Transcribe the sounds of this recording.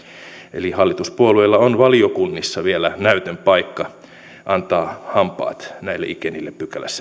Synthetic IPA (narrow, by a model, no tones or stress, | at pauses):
ḛlihɑlːit̪uspuolueilːɑonʋɑliokunːisːɑʋielænæyt̪ømpɑikːɑ | ʔɑnt̪ɑːhɑmpˑɑ̰ːt̪næilːḛʔikenilːeppykælæ̰sːæ